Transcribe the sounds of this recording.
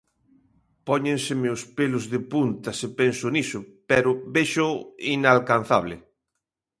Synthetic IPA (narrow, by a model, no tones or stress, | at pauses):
pɔɲẽnsɪmeospelʊzðɪpunt̪ɐsepensʊnisʊpɛɾʊbeʃʊinalkanθaβlɪ̰